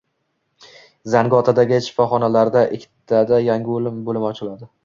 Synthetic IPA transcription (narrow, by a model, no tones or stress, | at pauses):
zanɡɒt̪ʰad̪aɡʲɪʃɪ̥fɒχɒnalaɾd̪aʔɪkʲʰːt̪ʰːad̪ajaŋʲɪolɪmbolɪmɒt͡ʃʰɪlad̪ɪ